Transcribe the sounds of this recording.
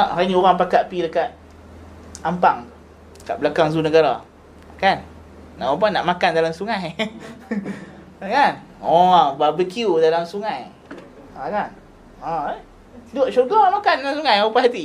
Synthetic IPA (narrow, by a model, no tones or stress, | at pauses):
ʔanĩoɾaŋpakaʔpidəkat̪̚ | ampaŋ | ka̰ʔblakaŋzunəɡaɾa | kanː | aʔap̬anaʔmakandalamsuŋãj | kan | ɔbabikjudalamsuŋaj | akan | ã | doʔt͡ʃuɡɔaŋmakandalamsuŋajupaɦat̪i